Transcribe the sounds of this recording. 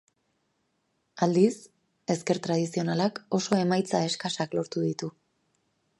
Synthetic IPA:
ald̪is | e̞ske̞ɾt̪ɾað̞isio̞nalako̞so̞e̞majt͡sae̞skasaklo̞ɾt̪uðit̪u

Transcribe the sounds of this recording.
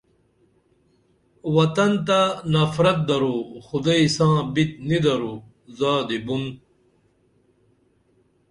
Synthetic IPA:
wɐt̪ɐnt̪anɐfɾɐt̪̚d̪ɐɾuxud̪aisãːbit̪nid̪ɐɾu | zaːd̪ibun

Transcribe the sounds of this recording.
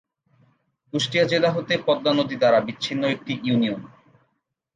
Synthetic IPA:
kuʃʈiad͡ʑelaɦot̪epɔd̪ːanod̪ʱid̪aɾabit͡ɕːɕʰinːoek̚ʈiunion

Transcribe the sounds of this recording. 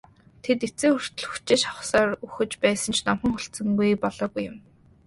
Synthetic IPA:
t̪ʰet̪et͡sĕːŋxɵr̥t̪ɵ̆ɮxu̥t͡ɕeːʃχɔχsaːruxɘ̆t͡ɕpæːsə̆nt͡ɕʰnɔmχə̆ŋχʊɬt͡sə̆ŋɡujpɔɮɔːɣujːʊm

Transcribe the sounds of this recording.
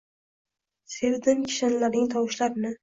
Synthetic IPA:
seɾd̪ɪnkʲʰɪ̥ʃanlaɾnɪŋt̪ʰɒwʃlaɾɪnɪ

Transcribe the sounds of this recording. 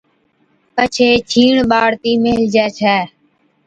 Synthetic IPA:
kət͡ʃʰeːt͡ʃʰiːɳɓaːɽt̪iːmeɦld͡ʒɛːt͡ʃʰɛː

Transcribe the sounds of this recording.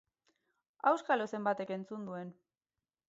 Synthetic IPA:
awskalose̞mbat̪e̞ke̞nt͡sund̪ue̞n

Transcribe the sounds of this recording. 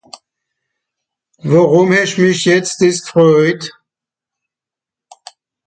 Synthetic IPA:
vaʁʊmhɛʃmɪçjɛt͡st̚d̥ɪskʁɔʏt

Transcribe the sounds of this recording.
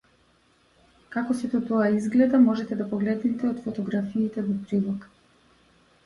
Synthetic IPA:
kakɔsit̪ɔt̪ɔaizɡlɛd̪amɔʒɛt̪ɛd̪apɔɡlɛd̪nɛt̪ɛɔt̪fɔt̪ɔɡɾafiːt̪ɛvɔpɾilˠɔk

